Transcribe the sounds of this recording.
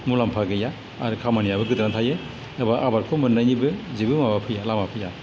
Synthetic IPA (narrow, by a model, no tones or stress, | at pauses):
mulampʰaɡɯjaː | ɾɯkʰamanijabɯɡɯdɾantʰaje | ɯbaʔabaɾkʰɔmɯnːajnibɯzibɯmabapʰɯjalamapʰɯja